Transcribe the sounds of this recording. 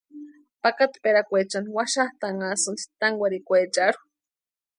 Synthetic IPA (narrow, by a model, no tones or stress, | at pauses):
pakat̪peɾakʷet͡ʃanwaʃaht̪aŋasɨnt͡s̪i̥t̪aŋɡʷaɾikʷet͡ʃaɾu̥